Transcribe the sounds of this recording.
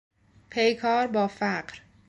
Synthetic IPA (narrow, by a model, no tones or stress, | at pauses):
pʰejkʰɒːɾbɒːfæɢɾ